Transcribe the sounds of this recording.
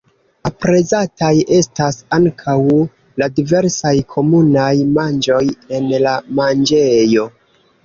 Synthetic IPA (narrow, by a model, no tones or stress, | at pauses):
apɾe̞zatajʔe̞stasaŋkʰaw | ladive̞ɾsajkʰo̞munajmand͡ʒo̞je̞nlamand͡ʒejo̞